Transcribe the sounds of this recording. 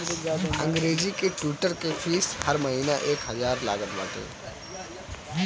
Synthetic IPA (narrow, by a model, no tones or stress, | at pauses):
ɐ̰̃ŋɡɾeːzikeʈwiːʈəɾkefʰiːshɐɾmɐɦiːnaʔeːkɦɐzaːɾla̰ːɡət̪ʋa̰ːt̪ḛː